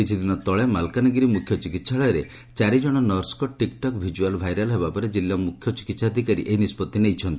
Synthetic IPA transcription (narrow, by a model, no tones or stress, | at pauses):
kit͡ʃʰid̪inɔt̪ɔɭemalkanɔɡɾimukʰjɔt͡ʃikit̪saɭɔjɔɾe | t͡ʃaɾid͡ʒɔɽ̃ɔnɔɾskɔʈikʈɔkbʱid͡ʒualbʱajɾalɔɦebapɔɾed͡ʒilːamukʰjɔt͡ʃi̥kit̪sad̪ʱikaɾḭʔeɦinispɔt̪ːinejt͡ʃʰɔnt̪i̥